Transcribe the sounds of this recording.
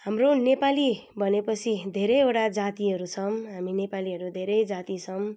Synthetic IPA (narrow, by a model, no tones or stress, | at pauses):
ɦamronepalibʱʌnepʌt͡sʰid̪ʱeɾʌjeʈad͡zat̪iɦʌɾut͡sʰʌmɦaminepaliɦʌɾud̪ʱeɾʌjd͡zat̪it͡sʰʌm